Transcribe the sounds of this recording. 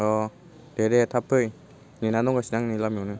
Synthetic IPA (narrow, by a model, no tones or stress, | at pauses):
ɔ | dedet̪ʰapʰɯj | ninanɔŋɡasinaŋnilamjɔnɯ